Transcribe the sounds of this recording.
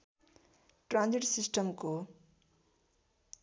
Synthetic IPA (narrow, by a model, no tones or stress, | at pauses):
ʈrãnd͡ziʈsisʈəmko